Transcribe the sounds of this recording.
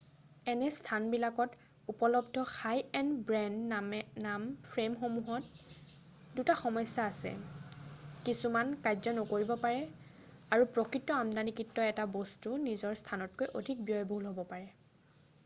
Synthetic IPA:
ɛnɛstʰanbilakɔt | upɔlɔbdʱɔxajɛnbɹɛnnampʰɹemxomuɦɔt | dutaxɔmɔjsaːsɛ̰ | kisumankajzɔnɔkoɹibɔpaɹɛ | aɹupɹɔkɹitːɔamdanikitːɔɛtabɔstunizɔɹstʰanɔt̚kojʔodʱik̚bijɔjbɦulɦobɔpaɹɛ

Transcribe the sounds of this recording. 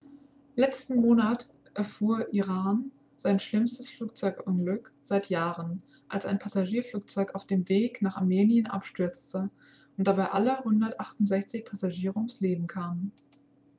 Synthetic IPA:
lɛt͡stn̩moːnat | ʔɛɐfuːɐʔiʁaːn | z̥aɪnʃlɪmstəsfluːk̚t͡sɔʏkʔʊnɡlʏkz̥aɪtjaːʁən | ʔalsa̰ɪnpʰazaʒiːɐfluːk̚t͡sɔʏkaʊfd̥eːmveːknaːχa̰ɐmeːnjənʔa̰pʃtʏɐt͡stə | ʔʊnt̚d̥abaɪʔaləhʊndɐtʔaχtʊntz̥ɛçt͡sɪçpʰazaʒiːʁʊŋsleːbm̩kʰaːmən

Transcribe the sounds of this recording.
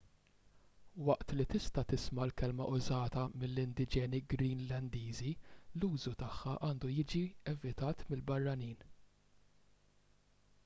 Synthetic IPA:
wɐʔt̪lit̪ɪst̪ɐt̪ɪsmɐlkɛlmɐ̰ʔʊzɐːt̪ɐmɪlːɪnd̪ɪd͡ʒɛːniɡɾiːnlɐnd̪iːziluːzut̪ɐħːɐʔɐːnd̪ujɪːd͡ʒiɛvɪt̪ɐːt̪mɪlbɐrːɐniːn

